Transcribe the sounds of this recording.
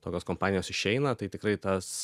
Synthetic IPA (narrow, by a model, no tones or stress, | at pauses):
t̪oːkʲoːskompɑːnʲɪjoːsɪʃʲɛɪnɐt̪ɐɪt̪ʲɪkɾɐɪt̪ɐs